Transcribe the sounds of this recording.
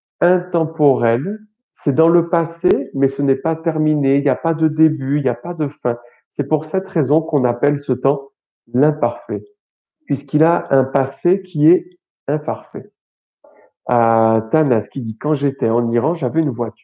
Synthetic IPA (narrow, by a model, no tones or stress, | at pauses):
ɛ̃t̪ɑ̃pɔʁɛl | sɛd̪ɑ̃ləpasemɛsənɛpat̪ɛʁmineiljapad̪əd̪ebyiljapad̪əfɛ̃ | sɛpuʁsɛt̪χezɔ̃kɔ̃napɛlsət̪ɑ̃ | lɛ̃paʁfɛ | pɥiskilaɛ̃pasekʲʰiɛ | ɛ̃paʁfɛ | at̪anɛskʲid̪ikɑ̃ʒet̪ɛɑ̃niʁɑ̃ʒavɛynvwat̪y̥ʁ